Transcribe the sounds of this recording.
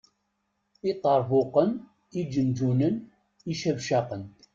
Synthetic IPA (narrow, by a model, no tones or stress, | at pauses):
it̪ˤːɑɾˤvʊqən | id͡ʒənd͡ʒunən | iʃævʃɑqən